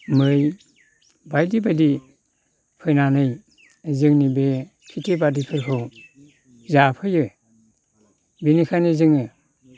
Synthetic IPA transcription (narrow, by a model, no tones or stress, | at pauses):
mɯɾɯj | bajdibajdi | pʰɯjnanɯj | zɯŋnibe | kʰitʰebadipʰɯjkʰɯw | zapʰɯjɯ | benikʰajnizɯŋɯ